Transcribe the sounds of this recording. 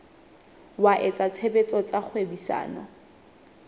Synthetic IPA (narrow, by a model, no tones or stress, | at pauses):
waʔet͡sʼat͡sʰebet͡sʼɔt͡sʼak͡xʰwebisa̰ːnɔ̰